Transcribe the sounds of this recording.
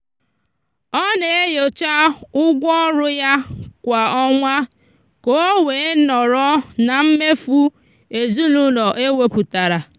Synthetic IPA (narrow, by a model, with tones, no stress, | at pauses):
ɔ˦ne˨e˦jo˨t͡ʃa˦ʊ˦ɡʷɔ˦ɾʊ˦ja˦kʷa˨ɔ˦ŋʷa˦ | ko˨o˦we˨˦nɔ˨ɾɔ˦na˨m̩˦me˦fu˦ | e˨zu˦lu˦nɔ˨ʔe˦we˦pu˨ta˨ɾa˨